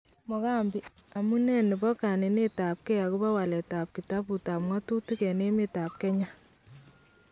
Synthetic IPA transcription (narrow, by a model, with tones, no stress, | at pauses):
mɔ˨ka˦˨mbi˨a˨mu˦nɛ˦nɪ˨bɔ˦ka˨ne˨ne˦ta˨p̚kɛ˦a˨kʊ˦ba˦wa˨lɛ˨ta˨p̚ki˨ta˦bu˨ta˨pŋwa˦tu˦ti˦kɛ˨ne˦mi˦ta˨p̚kɛ˦ɲa˦